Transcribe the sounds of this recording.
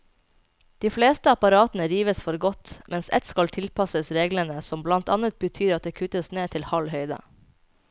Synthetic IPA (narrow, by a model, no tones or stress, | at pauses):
d̪̥iːfleːst̪əɑpɑɾɑːt̪n̩əɾiːʋəsfɔɾɡɔt̪mʔɛnsɛ̰t̪skɑlt̪ʰɪlpʰɑsəsɾeːɡlənəsɔmblɑnt̪ɑnət̪̚bət̪ʰyːɾɑt̪̚d̪eːkʰʉt̪əsneːt̪ʰɪlhɑlhœʏd̪ə̰